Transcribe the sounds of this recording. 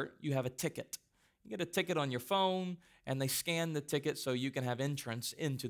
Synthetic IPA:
jɨəvɨtʰɪkɨt | jɨɡɛɾɨtʰɪkɨɾn̩jə˞fõʊ̃n | ʔɨ̃nðeɪskæ̃nðɨtʰɪkɨtsoʊjɨkɨ̃nɨvɛ̃nt͡ʃɹ̥ɨ̃nsɪ̃ntʰʉ

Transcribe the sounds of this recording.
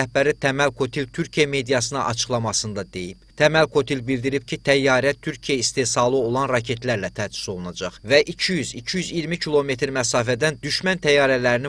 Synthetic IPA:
æhbæɾit̪ʰæmælkʰo̞t̪ʰilt̪ʰyɾcʰijæme̞d̪ijɑsɯnɯʔɑ̰t͡ʃʰɯ̥χlˠɑmɑsɯnd̪ɑd̪e̞jib̥t̪ʰæmælkʰo̞t̪ʰilbild̪iɾip̚cʰit̪ʰæjːɑːɾæt̪ʰyɾcʰijæist̪e̞sɑlˠɯo̞lˠɑnɾɑcʰe̞t̪læɾlæt̪ʰæsy̥so̞lˠunɑd͡ʒɑχvæʔicʰijyzicʰijyziɾmicʰilˠo̞me̞t̪ʰɾmæsɑːfæd̪ænd̪yʃmænt̪ʰæjɑːɾælæɾini

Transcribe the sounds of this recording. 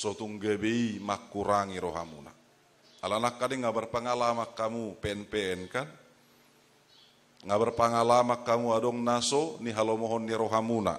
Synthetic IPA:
sɔt̪uŋɡabeimakːuɾaŋiɾɔɦa̰mṵna̰ | alanakːadɛŋːabarpaŋalamakːamupɛɛnpɛɛnkan | ŋabarpaŋalamakːamuadɔŋnasɔniɦalomɔɦɔnːiɾɔɦamuna̰

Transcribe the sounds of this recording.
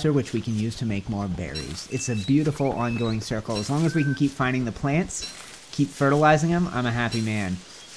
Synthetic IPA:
ə˞wɨt͡ʃwikɨ̃njʉz̥tʰɨmeɪk̚mɔɹbɛ̰ɹḭz̥ɨtsɨbjʉɾəfl̩ˠɑ̃nɡoʊɪ̃ŋsɜ˞kl̩ˠəzlɔ̃ŋɨzwikn̩kʰipfãɪ̃ndɪ̃ŋðɨpʰl̥æ̃nts | kʰipfɜ˞ɾlaɪzɪ̃ŋɨ̃mã̰ɪ̃mɨɦæpimæ̃n

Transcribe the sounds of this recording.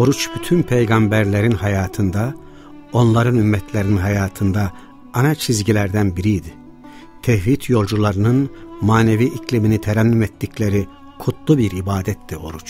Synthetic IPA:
o̞ɾut͡ʃbyt̪ʰynpʰejɡambæɾlʲeɾinhajaːt̪ʰɯnd̪a | o̞nlˠaɾɯnymːɛt̪ʰlʲeɾininɦajaːt̪ʰɯnd̪aː | nat͡ʃʰizɟilʲæɾd̪ænbiɾijd̪i | t̪ʰɛhvit̪ʰjo̞lˠd͡ʒulˠaɾɯnɯnmaːneviːʔicʰlʲiminit̪ʰɛɾæmlʲimɛt̪ːiclʲeɾi | kʰut̪ʰlˠubiɾibaːd̪ɛt̪ːio̞ɾut͡ʃ

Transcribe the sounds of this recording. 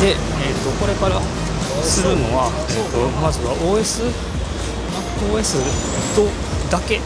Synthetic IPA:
d̪e̞ | eːt̪ːo̞ko̞ɾe̞kaɾa | sɨɾɯ̟no̞βa | seot̪ːo̞mazɨβaʔo̞ːe̞sɨ | akːɯoːe̞sɨ | t̪o̞ | d̪ake̞

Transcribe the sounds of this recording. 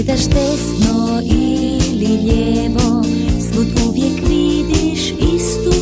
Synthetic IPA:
d̪aʃd̪ɛsno | iliʎɛʋo | smut̪uʋjɛkʋid̪iʃ | ist̪u

